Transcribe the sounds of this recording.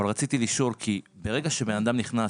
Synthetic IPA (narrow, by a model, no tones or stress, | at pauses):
alʁat͡sit̪iliʃo̞lkʰibe̞ʁe̞ɡaʃe̞be̞nad̪amniχna